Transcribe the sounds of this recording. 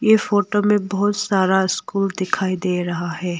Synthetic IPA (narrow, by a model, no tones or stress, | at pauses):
jefoːʈomẽbɔɦʊt̪saːɾaɪskuːld̪ɪkʰaːid̪eːɾɐɦaɦɛː